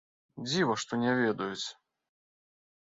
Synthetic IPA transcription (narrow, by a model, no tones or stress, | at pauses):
d͡zʲivɐʂt̪ɔnʲɛvʲɛd̪ujut͡sʲ